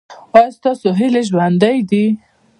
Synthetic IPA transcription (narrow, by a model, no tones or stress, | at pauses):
ɑjɑst̪ɑsoɦɪleʒwand̪ajd̪i